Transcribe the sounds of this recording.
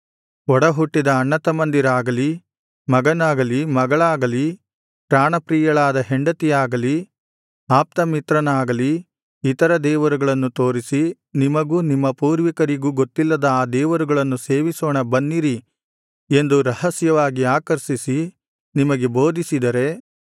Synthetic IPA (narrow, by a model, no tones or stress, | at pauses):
ɔɽɐɦuʈːid̪ɐːɳːɐt̪ɐmɐnd̪iɾaːɡɐli | mɐɡɐnaːɡɐlimɐɡɐɭaːɡɐli | pɾaːɳɐpɾiːjɐɭaːd̪ɐɦe̞ɳɖɐt̪ijaːɡɐli | aːp̚t̪ɐmit̪ɾɐnaːɡɐliː | t̪ɐɾɐd̪ɛːʋɐɾuɡɐɭɐnːut̪o̞ːɾisi | nimɐɡuːnimːɐpuːɾʋikɐɾiɡuːɡot̪ːilːɐd̪ɐaːd̪ɛːʋɐɾuɡɐɭɐnːuseːʋisoːɳɐbɐnːiɾi | e̞nd̪uɾɐhɐsjɐʋaːɡiaːkɐɾsisi | nimɐɡebo̞ːd̪isid̪ɐɾe̞